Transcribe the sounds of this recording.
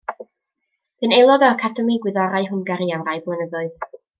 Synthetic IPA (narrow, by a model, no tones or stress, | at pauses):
b̥ɨnejlˠɔdɔakʰadəmiɡwɪðaɾaɨɦʊnɡaɾiaɾajblˠənəðʊɨð